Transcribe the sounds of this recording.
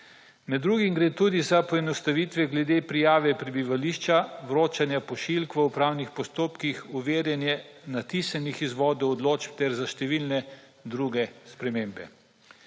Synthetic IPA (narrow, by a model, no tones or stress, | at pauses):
mɛd̪ːɾuɡimɡɾeːt̪uːd̪izapɔɛnɔst̪aʋiːt̪ʋɛɡlɛd̪epɾijaːʋɛpɾɛbiʋaliːʃt͡ʃaʋɾoːt͡ʃanjapɔʃilkʋəupɾawnixpɔst̪oːpkixuʋeːɾjɛnjɛnat̪isanixizʋɔːd̪ɔwɔd̪loːt͡ʃpt̪ɛɾzaʃt̪ɛʋilnɛ | d̪ɾuɡɛspɾɛmeːmbɛ̰